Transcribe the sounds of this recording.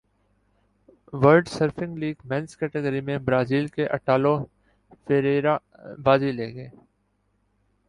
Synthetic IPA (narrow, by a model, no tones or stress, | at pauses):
ʋəɾɖsəɾfɪ̃ŋɡliːɡmɛ̃nskɛʈeɡəɾimẽbɾaːziːlkeʔɐ̰ʈaːlo | feɾeːɾa | baːzileːɡeː